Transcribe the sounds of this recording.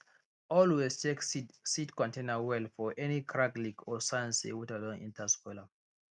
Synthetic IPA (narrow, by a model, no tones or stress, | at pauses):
ʔɔlwestʰekisidkɔ̃ntẽnəwɛlfɔʔɛnikʰɹaklikʰɔsaɪə̃nsḭwitalɔ̃ŋḭ̃ntʰəskwɛla